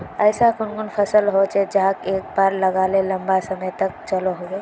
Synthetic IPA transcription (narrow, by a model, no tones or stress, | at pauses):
əɪsakunkunpʰəsəlɦot͡ʃʰɛd͡ʒəɦakek̚baɾləɡaleləmbasəməjt̪ək̚t͡ʃəloɦoɡe